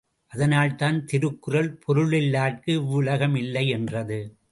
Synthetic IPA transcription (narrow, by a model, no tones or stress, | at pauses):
ʔɐðɐnaːlt̪aːnt̪ɪɾɯkːɯrɐlpʰɔɾɯɭɪlːaːʈ̚kɯʊɭɐɣɐmɪlːɐɪɛndrɐðɯ